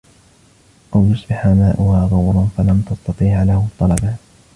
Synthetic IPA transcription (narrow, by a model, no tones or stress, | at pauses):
ʔawjʊsˤbɪħaːmaːʔʊhaːɣɑwɾˤʊnfalamt̪ɑst̪ɑt̪ˤiːʕlahʊt̪ˤːɑlɑba